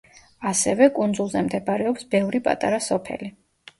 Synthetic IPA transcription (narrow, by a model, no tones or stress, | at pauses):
asɛvɛkʼund̪zulˠzɛmd̪ɛbaɾɛɔpsbɛvɾipʼa̰t̪ʼa̰ɾasɔpʰɛ̰li